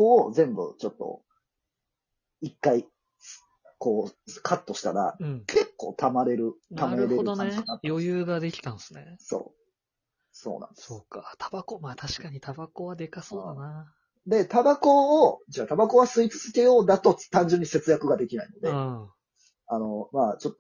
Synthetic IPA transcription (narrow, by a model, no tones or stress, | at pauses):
ko̞ːzẽ̞mbɯ̟̰t͡ɕo̞t̪ːo̞̰ | ikːai | ko̞ːkʰat̪ːo̞ɕi̥t̪aɾã̰kʰe̞kːo̞̰ːt̪ʰamaɾe̞ɾɯ̟t̪ʰamaɾeɾeɾɯd̪oekanat̪jjojɯːɡad̪e̞kʲi̥t̪ãnsɨ̥neso̰ː | so̞̰ːnã̰neskat̪ʰabakomaːt̪ʰaɕi̥kaɲ̟it̪abako̞βad̪e̞kasoːana | d̪e̞t̪abako̞ːd͡ʑaːt̪abako̞βasɨit͡sɨ̥zɨke̞jo̞ːd̪at̪o̞t̪ãɲ̟d͡ʑɨ̃ɲ̟ːise̞t͡sɨjakɯ̟ɡad̪e̞kʲinaino̞d̪e̞ | ano̞maːt͡ɕo̞t̪ːo